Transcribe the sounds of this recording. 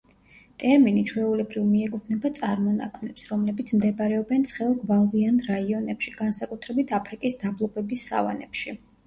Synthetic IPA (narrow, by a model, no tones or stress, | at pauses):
t̪ʼɛɾminit͡ʃʰwɛulɛbɾivmiɛkʼupʰnɛbat̪sʼaɾmɔna̰kʰmnɛpsɾɔmlɛbit̪sʰmd̪ɛbaɾɛɔbɛnt̪sʰχɛɔlɡvalˠianɾaiɔnɛpʃiɡ̥ansakʼut̪ʰɾɛbit̪ʰapʰɾikʼisd̪ablˠɔbɛbisːa̰va̰nɛ̰pʃi